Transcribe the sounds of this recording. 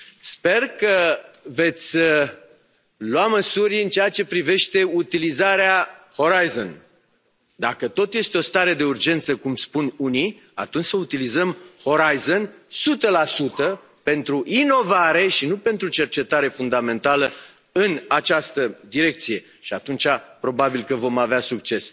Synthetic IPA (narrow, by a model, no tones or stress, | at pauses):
spe̞rkəve̞t̪sʲ | lwaməsuɾʲɨnt͡ʃeat͡ʃe̞pɾive̞ʃt̪e̞ut̪ilizaɾeaho̞ɾajzo̰n | d̪akət̪o̞t̪je̞st̪eo̞st̪aɾe̞d̪e̞urd͡ʒe̞nt̪səkumspununi | a̰t̪unt͡ʃʲsəut̪ilizəmho̞ɾajzonsut̪əlasut̪ə | pe̞nt̪ɾuʔino̞vaɾe̞ʃinupe̞nt̪ɾut͡ʃe̞rt͡ʃe̞t̪aɾe̞fund̪amẽ̞nt̪alə | ɨnat͡ʃast̪əd̪iɾe̞k̚t̪sije̞ | ʃiat̪unt͡ʃapɾo̞babilkəvo̞maveasuk̚t͡ʃe̞s